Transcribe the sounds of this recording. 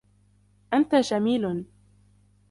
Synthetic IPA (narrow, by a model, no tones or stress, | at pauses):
ʔant̪aʃamiːln